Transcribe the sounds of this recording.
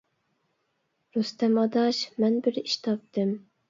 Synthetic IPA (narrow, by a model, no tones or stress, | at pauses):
ɾust̪ɛmɑd̪ɑʃmɛnbɪɾiʃt̪ʰɑp̚t̪ʰɪm